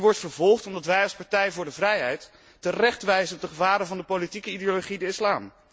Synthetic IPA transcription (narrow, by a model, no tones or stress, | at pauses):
ʋɔɹtfəɹvɔlˠχtɔmdɑtʋɛjɑlˠspɑɹtɛjvʊːɹdəvrɛjɦɛjtː | ərɛχtʋɛjzənɔp̚dəχəvaːɾəvɑndəpowlitikəideoloχidəɪslaːm